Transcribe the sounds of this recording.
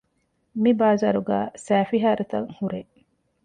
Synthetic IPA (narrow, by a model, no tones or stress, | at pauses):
mibaːzaːɾuɡæːsæːfiɦaːɾet̪ɐŋhuɾe